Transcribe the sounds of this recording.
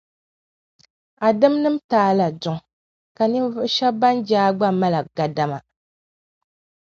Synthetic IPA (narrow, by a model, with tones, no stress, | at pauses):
a˨dɨ˦mnɨ˦m˦taː˦la˨dʊ˨ŋ˨ | ka˨nɨ˦vɨ˦ʔʃɛ˦ba˦nd͡ʒaː˦ɡ͡ba˦ma˦la˨ɡa˨da˦ma˨